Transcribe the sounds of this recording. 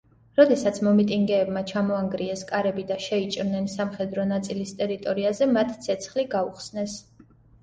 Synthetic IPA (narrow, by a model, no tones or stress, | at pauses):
ɾɔd̪ɛsat̪sʰmɔmit̪ʼiŋɡɛːbmat͡ʃʰamɔaŋɡɾiɛskʼaɾɛbid̪aʃɛit͡ʃʼɾnɛnsamχɛd̪ɾɔnat̪sʼilist̪ʼɛɾit̪ʼɔɾiazɛmat̪ʰt̪sʰɛt̪sʰχliɡauχsnɛs